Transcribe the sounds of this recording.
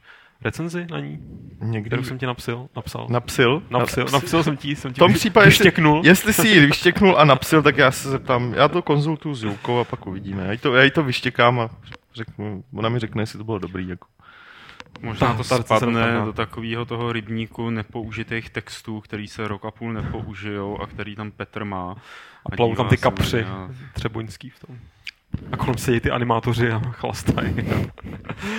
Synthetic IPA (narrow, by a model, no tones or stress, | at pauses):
ɾɛt͡sɛnzɪna̰ɲiːɲɛɡsɛmcɪnapsɪlnapsa̰lnapsɪlnasɪlnasɪlsɛmɪsɛmt̪ompr̥iːpaɟɛɛɪʃɛknuljɛst̪lɪsɪjivɪʃcɛknulʔanapsɪlt̪akjaːsɛzɛp̚t̪aːmja̰ːt̪o̞ko̞nzult̪ujuzjulkowapakʔuvɪɟiːmɛjaːjit̪ojaːjit̪o̞vɪʃcɛkaːma | rɛknuonamɪɾɛknɛjɛsɪt̪obɪlodo̞bɾiːjako | moʒnaːt̪ospanɛdo̞t̪akoviːɦot̪o̞ɦoɾɪbɲiːkunɛpo̞ʔuʒɪt̪ejxt̪ɛkst̪uːkt̪ɛɾiːsɛɾokapuːlnɛpo̞ʔuʒɪjowʔa̰kt̪ɛɾiːt̪ampɛt̪r̩maːʔaaɟlaiowvt̪aat̪ɪkapr̥ɪt̪r̥ɛbojnskiːft̪om | ʔakolɛmsɛɟɛjt̪ɪʔa̰nɪmaːt̪orɪaxla̰st̪ajɪ